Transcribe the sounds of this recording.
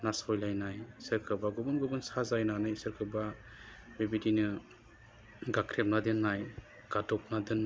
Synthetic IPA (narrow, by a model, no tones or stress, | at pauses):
nasɔjlajnajsɯɾkʰɯbaɡubɯnɡubɯnsazajnanajsɯɾkʰɯba | bibidinɯ | ɡakʰɾep̚nadɯnːaj | ɡ̥adɔp̚nadɯnː